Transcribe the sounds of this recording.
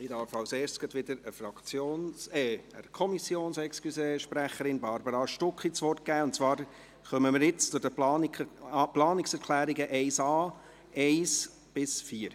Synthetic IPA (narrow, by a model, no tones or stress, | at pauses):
idɑːfɑlseːɾʃt͡sɡ̥ɑtʋɪd̥̪əɾəfɾɑkt͡sjoːnsɛə̰kʰɔmisjoːnsɛkskyseʃpɾæχəɾɪnbɑɾbəɾɑʃtʊkχit͡sʋɔrt̚kæːʊntt͡svɑːɾ | χœməmɪɾjɪt͡st͡sʊd̥əplɑːnplɑːnɪksɛɾkʰlæːɾiɡəʔɛɪsɑː | ɛɪs | b̥ɪsfiːəɾ